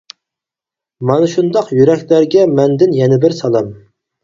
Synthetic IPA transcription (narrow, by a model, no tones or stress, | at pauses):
mɑnɨʃund̪ɑqjyɾɛkʲlæɾɡʲɛmɛnd̪ɪnjɛnɪbɪɾsɑlˠɑm